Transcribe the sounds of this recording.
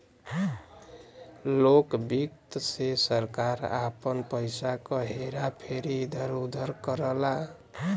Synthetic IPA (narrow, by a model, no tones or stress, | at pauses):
lokbikt̪sesəɾkaɾa̰pənpəjsakʌɦeɾapʰeɾid̪ʱəɾud̪ʱəɾkəɾəla